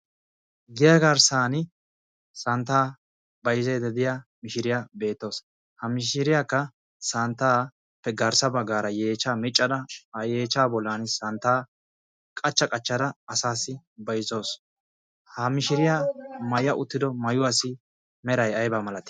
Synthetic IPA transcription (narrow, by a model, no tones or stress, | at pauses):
ɡɪjɐɡɐɾsaːnɪ | sɐnt̪ːaː | bɐjɪzejd̪ɛd̪ɪjamɪʃɪɾɪjabe̞ːt̪ːo̞ːs | hɐmɪʃɪɾɪjakːɐ | sɐnt̪ːaː | pːɛɡɐɾsɐbɐɡaːɾɐjeːt͡ʃːaːmɪt͡ʃʼːɐd̪ɐɐjeːt͡ʃːaːbɔlːaːnɪsɐnt̪ːaː | kʼɐt͡ʃːɐkʼɐt͡ʃːɐd̪ɐɐsaːsɪ | bɐjzo̞ːs | hɐmɪʃɪɾɪjamɐjɐʔʊt̪ːɪd̪ɔmɐjʊwaːsɪ | mɛɾɐjɐjbamɐlɐt̪ɪ̥